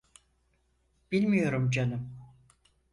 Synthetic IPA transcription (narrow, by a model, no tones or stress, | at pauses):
b̥ilʲmijo̞ɾumd͡ʒanɯm